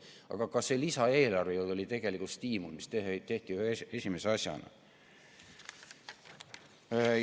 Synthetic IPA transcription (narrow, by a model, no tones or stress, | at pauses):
ɑ̰ɡ̥ɑkɑse̞lisɑe̞ːlɑrvejolo̞lʲit̪e̞ɡ̥e̞likut̪st̪iːmulmist̪eht̪e̞ht̪iyhesʲimeseɑsjɑ̰nɑ̰